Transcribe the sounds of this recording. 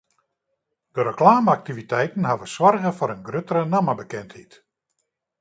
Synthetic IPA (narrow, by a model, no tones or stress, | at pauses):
d̥əɾəklaːməak̚tivitɛjtn̩ɦaʋəswɔrɣəfɔɾənɡrøtəɾənaməbəkɛnthit